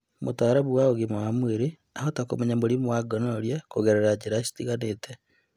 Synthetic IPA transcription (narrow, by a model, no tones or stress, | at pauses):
motaɾaβuwaoɣemawamweɾe | ahotakomɛɲamoɾimowaɡɔnɔɾjakoɣeɾeɾad͡ʒeɾasi̥tiɣaneːtʰɛ